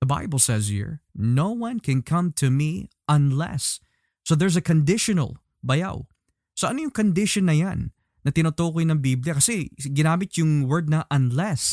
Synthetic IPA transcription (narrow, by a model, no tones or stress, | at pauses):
ðəba̰jbəlˠsɛzhḭɹnowwɐ̃nkʰɛ̃nkʰɐ̃mt̪ʰumiʔɐ̃nlɛ̰sː | oðɛɹz̬ɐkõnd̪ɪʃonɐ̰lˠ | bɐja̰w | soʔɐnojʊŋkond̪ɪʃonːɐjanː | ɐt̪ɪnot̪oːkojnɐŋbiblɪjɐkɐsɛɡɪnaːmɪt̪̚jʊŋwɛɹd̪̚nɐʔɐ̃nlɛs